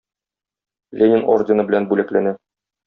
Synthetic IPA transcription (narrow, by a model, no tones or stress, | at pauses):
lʲenʲɪno̰rdʲɪnɤbɘ̆lænbʉlæklænæ